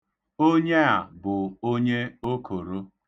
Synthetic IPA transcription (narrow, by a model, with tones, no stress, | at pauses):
o˦ɲe˦a˨bʊ˨o˦ɲe˦o˦kʰo˨ɾo˦